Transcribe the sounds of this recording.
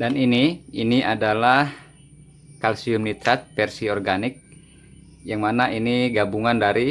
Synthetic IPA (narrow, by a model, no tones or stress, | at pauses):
daniniiniʔadalah | kalsiumnit̪ɾat̪̚pɛrsiɔrɡanɪk̚ | jaŋmanaʔiniɡabuŋandaɾi